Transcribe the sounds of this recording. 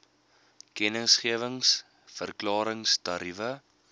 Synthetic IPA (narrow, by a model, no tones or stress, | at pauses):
kɛnəsχiəvəŋs | fərklɑːɾəŋstɐɾivə